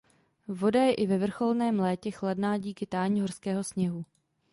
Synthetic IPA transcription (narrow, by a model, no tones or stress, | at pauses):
vo̞dajɛʔɪvɛvr̩xo̞lnɛːmlɛːcɛxladnaːɟiːkɪt̪aːɲiɦo̞rskɛːɦo̞sɲɛɦu